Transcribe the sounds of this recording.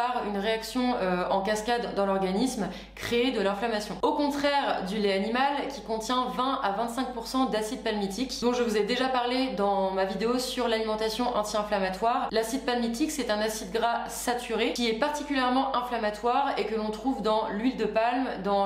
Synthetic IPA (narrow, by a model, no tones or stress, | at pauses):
paʁynʁeaksjɔ̃øɑ̃kaskad̪ːɑ̃lɔʁɡanism | kχeːd̪əlɛ̃flamasjɔ̃okɔ̃t̪χɛʁd̪yleanimalkʲikɔ̃t̪jɛ̃vɛ̃avɛ̃nt̪sɛ̃k̚puʁsɑ̃d̪asid̪̚palmit̪ikd̪ɔ̃ʒəvuzɛd̪eʒapaʁled̪ɑ̃mavid̪eosyʁlalimɑ̃t̪asjɔ̃ʔɑ̃t̪iɛ̃flamat̪waːʁlasid̪̚palmit̪iksɛt̪ɛ̃nasid̪̚ɡʁasat̪yʁekʲiɛpaʁt̪ikʲyljɛʁmɑ̃ʔɛ̃flamat̪waʁekəlɔ̃t̪χuvd̪ɑ̃lɥild̪əpalmd̪ɑ̃